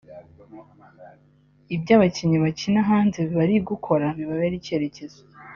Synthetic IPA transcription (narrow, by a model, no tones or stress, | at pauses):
ibɟaːβaciɲiβacinaɦaːnzeβiβaɾiɡukʰo̞ɾaβiβaβeɾice̞ɾe̞ce̞ze